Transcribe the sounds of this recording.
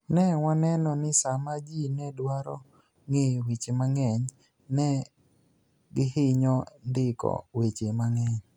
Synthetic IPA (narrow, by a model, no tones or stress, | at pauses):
nɛwanɛnɔnɪsamad͡ʒinɛdwaɾɔ̰ | ŋewit͡ʃemaŋɛɲ | nɛ | ɡɪhɪɲɔndɪkɔ̰wet͡ʃemaŋɛɲ